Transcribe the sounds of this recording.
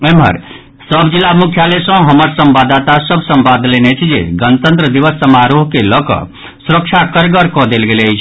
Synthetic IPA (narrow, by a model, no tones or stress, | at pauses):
emɦə̰ɾ | səbʱd͡ʒilːamukʰjalesə̃ɦəməɾsəmbad̪at̪asəbʱsəmbad̪lenet͡ʃʰid͡ʒḛɡənt̪ənt̪ɾəd̪iʋəsːəmaɾoɦkeləkɔ̰ | suɾək̚t͡ʃʰakəɾɡəɾkɔd̪elɡelejt͡ʃʰ